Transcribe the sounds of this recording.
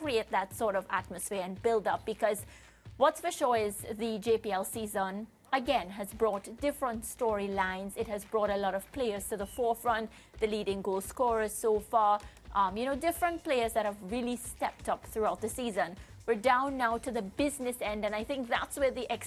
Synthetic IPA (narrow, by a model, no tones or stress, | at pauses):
kɹieɪt̪̚ðætsɔɹɾʌvæ̰t̚mɨsfɪəɹɨ̃nbɪlˠdʌp̚b̥ɨkʰʌz | wʌtsfəʃɔɪzðɨd͡ʒeɪpiɛlˠsizə̃n | əɡɛ̃nɦɨzbɹɔtd̥ɪfɹə̃ntstɔɹilãɪ̃nzɪt̚hɨzbɹɔɾəlɔɾʌv̥pʰl̥eɪə˞z̥tɨðəfɔɹfɹʌ̃nt | ðɨliːɾɪ̃ŋɡoʊskɔɹz̥soʊfɑɹ | ʔjɨñoʊdɪfɹə̃nt̚pʰl̥eɪə˞zðɨt̚həvɹilˠistɛp̚tʌpθɹuaʊt̪̚ðəsizə̃n | wə˞dãʊ̃nːaʊtɨðəbɪznɨsɛ̃ndɨ̃naɪθɪ̃ŋk̚ðætswə˞ðiʔɛks